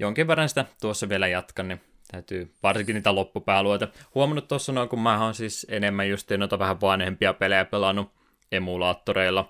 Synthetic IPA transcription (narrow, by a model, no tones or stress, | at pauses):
joŋkiʋerːɑnsi̥t̪æt̪uosːɑʋielæjɑt̪kɑnni | t̪æyt̪yːʋɑrsiŋkiniːt̪ælopːupæːluot̪ehuomɑnːut̪t̪osːɑnoikummæːoːnsiːsenemːæjjust̪iːnoit̪ɑʋæhæʋʋɑnhempiɑpelejæpelɑnːu | emulɑːt̪ːoɾeilːɑ